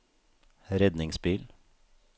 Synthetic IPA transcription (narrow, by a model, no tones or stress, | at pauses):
ɾɛd̪nɪŋsbiːl